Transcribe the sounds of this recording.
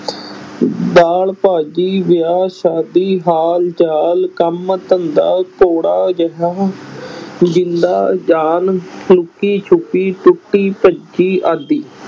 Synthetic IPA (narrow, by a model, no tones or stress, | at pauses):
d̪aːlpaːd͡ʒiːʋɪjaːʃaːd̪iːɦaːld͡ʒaːlkəmt̪ənd̪a̰ːkoːɽaːɡəɦaː | d͡ʒɪnd̪aːd͡ʒaːnlʊkːiːt͡ʃʰʊkːiːt̪ʊʈːiːpəd͡ʒiːʔaːd̪iː